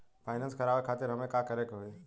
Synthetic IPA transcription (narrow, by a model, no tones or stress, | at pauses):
pʰaːɪnãnskʰɐɾaːʋekʰaːt̪ɪɾɦɐmẽkakɐɾekɦoi